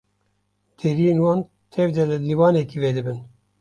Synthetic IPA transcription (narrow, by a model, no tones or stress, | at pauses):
d̪̥eɾijeːnwɑːn | t̪ʰɛvd̪ɛlɨliːwɑːnɛkiːveːd̪ɨbɨn